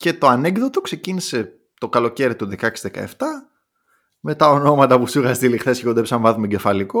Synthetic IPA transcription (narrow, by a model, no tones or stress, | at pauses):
ce̞t̪oɐneɡðo̞t̪okse̞cinise̞ | t̪o̞kɐlo̞ce̞ɾit̪uðekɐksi̥zðekɐ̰eft̪ɐ | me̞t̪ɐo̞no̞mɐt̪ɐpusiɣɐst̪ilixθe̞seod̪oepsɐɱvɐðumeɟefɐliko